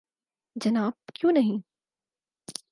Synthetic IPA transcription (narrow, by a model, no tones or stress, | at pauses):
d͡ʒɐnaːb̚kjũnɐɦĩ